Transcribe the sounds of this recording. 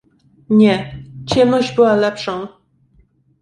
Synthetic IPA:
ɲɛt͡ɕɛmnɔʑd͡ʑbɘwalɛpʂɔ̃w̃

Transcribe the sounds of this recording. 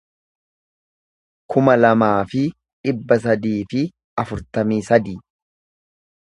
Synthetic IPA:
kʰʊmɐlɐmaːfɪ | ᶑɪbːɐs̬ɐd̪iːfɪ | ɐfʊɾt̪ɐmiːsɐd̪iː

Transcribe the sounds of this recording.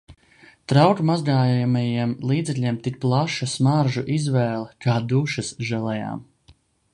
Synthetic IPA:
t̪ɾawkmazɡaːjajamajimlˠiːd̪zɛklʲiɛmt̪ik̚plˠaʃasmaɾʒuʔizvɛːlˠɛkaːd̪uʃɐsʒɛlˠɛja̰ːm

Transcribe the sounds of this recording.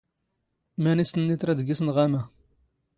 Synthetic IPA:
mænisnːit̪ɾˤæd̪ɡisnʁæmæ

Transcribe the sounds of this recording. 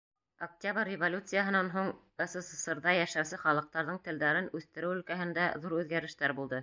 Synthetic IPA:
ok̚tʲabərʲːɪvolʲut̪sɨjaɦɤ̆nɑnɦuɴ | ɤ̆sɤ̆sɤ̆sɤ̆ɾðɑjæʃæwsɘχɑlˠɤ̆q̚t̪ɑɾðɤɴt̪ɘ̆ld̪æɾɘnʉθt̪ɘ̆ɾɘwɵ̆lkæɦɘ̆nd̪æðuɾʉðɡæɾɘ̆ʃt̪æɾbulˠd̪ɤ

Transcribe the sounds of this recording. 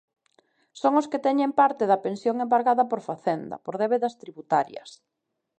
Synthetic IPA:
soŋʊsket̪ɛɲempaɾt̪ɪðɐpensjoŋembaɾɣaðɐpoɾfaθend̪ɐ̰poɾðeβeðɐst̪ɾiβut̪aɾjɐ̰s

